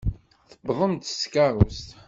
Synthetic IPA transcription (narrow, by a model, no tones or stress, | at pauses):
θəbʁˤəmt̪skɑɾˤʊst̪